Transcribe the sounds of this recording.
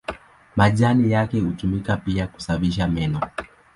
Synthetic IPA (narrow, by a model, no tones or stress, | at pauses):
maʄanijakɛhutumikapiaku̥saviʃamɛnɔ